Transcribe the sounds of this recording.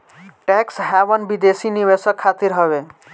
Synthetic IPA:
ʈɛksɦabʌnbid̪esiniβesʌkʰːat̪iɾɦʌβe

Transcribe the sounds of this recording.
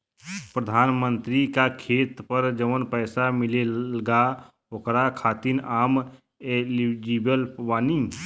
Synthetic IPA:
pɾəd̪ʱaːnmə̃nt̪ɾikakʰeːt̪pəɾd͡ʒəʋənpɛɪsamɪleəɡa | okɾakʰaːt̪inʔaːm | elid͡ʒibəlpʋaːni

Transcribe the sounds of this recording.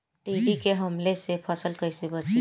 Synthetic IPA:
ʈiːɖikeɦɐmlesepʰəsəlkəisebət͡ʃi

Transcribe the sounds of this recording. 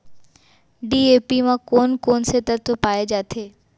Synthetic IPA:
ɖiepimãkonkonset̪əɾt̪opaːed͡ʒaːt̪ʰe

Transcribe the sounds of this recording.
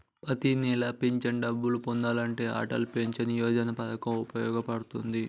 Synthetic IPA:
pɐt̪inɛlɐpeɲt͡ʃɐnɖɐbːulupond̪aːlɐɳʈe̞ːa̰ːʈɐlupeɲt͡ʃɐnijɔːd͡ʒɐnɐpɐd̪ɐkɐmupɐjɔːɡɐpɐɽut̪und̪i

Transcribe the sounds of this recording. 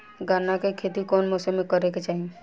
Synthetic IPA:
ɡaːnakekʰeːt̪ikɔːnmɔːsəmekəɾeket͡ʃaːɦi

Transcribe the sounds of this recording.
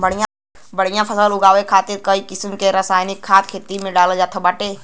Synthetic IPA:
bəɽ̤ɪjã | bəɽ̤ɪjãpʰəsəlʊɡaːʋekʰaːt̪ɪɾkəikɪsmkeɾəsaːjnɪkʰːaːt̪kʰeːt̪imẽɖaːld͡ʒaːt̪ʰəbaːʈeː

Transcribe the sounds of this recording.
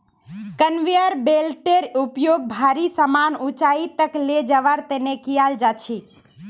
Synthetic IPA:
kənʋijəɾbelʈeɾupjoɡ̚bʱaɾisəmanut͡ʃait̪əkled͡ʒəʋaɾt̪enekijald͡ʒat͡ʃʰi

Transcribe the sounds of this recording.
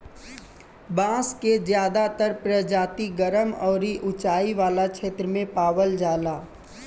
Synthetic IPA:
bãːskezjaːd̪at̪əɾpɾəd͡ʒaːt̪iɡəɾəmɔːɾiʔʊt͡ʃaːiʋaːlakʃeːt̪ɾəmẽpaːwəld͡ʒaːlaː

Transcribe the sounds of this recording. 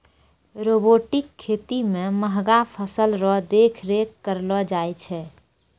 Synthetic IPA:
ɾoboʈikʰːet̪imẽməɦɡapʰəsəlɾɔɦd̪ekʰɾekːəɾlɔd͡ʒajt͡ʃʰɛ

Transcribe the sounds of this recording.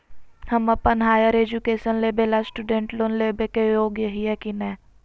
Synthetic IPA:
həmɐpənɦaːjəɾeːd͡ʒukeːʃənleːbelasʈuɖẽːɳʈloːnleːbekejoːɡjɐɦiɦɛkinɛː

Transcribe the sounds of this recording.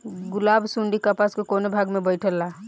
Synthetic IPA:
ɡʊlaːbsuɳɖikəpaskekonebʱaɡmebəɪʈʰəlːa

